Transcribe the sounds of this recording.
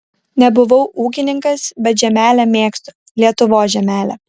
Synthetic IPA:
nʲɛbʊʋɐʊuːk̬ʲɪnʲɪŋkɐsbʲɛt̪ʒʲɛmʲæːlʲæmʲeːkst̪ʊ | lʲiɛt̪ʊʋoːsʒʲɛmʲæːlʲɛ̰

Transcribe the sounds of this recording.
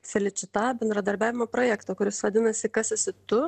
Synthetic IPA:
sʲɛlʲɪt͡ʃʲɪt̪ɑːbʲɛnd̪ɾɐd̪ɐɾʲbʲæːʋʲɪmoːpɾoːjæːkt̪oːkʊɾʲɪsʋɐd̪ʲɪnɐsʲɪkɐsɪsʲɪt̪ʊ

